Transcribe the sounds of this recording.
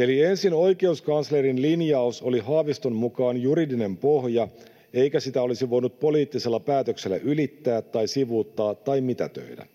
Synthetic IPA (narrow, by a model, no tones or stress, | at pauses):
e̞liensino̞jke̞uskɑnsleɾinlinjɑuso̞liɦɑːʋist̪ommukɑːnjuɾidine̞mpohjɑ | e̞jkæsit̪æo̞lisiʋo̞jnut̪̚po̞liːt̪ːise̞lːɑpæːt̪økse̞lːæ̰ʔylit̪ːæːt̪ːɑjsiʋuːt̪ːɑːt̪ːɑjmit̪æt̪ø̰idæ̰